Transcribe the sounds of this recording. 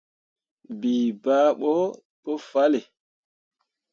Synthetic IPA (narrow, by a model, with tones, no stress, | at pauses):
biː˨baː˦ɓɔ˦ | ɓo˦fa˦le˨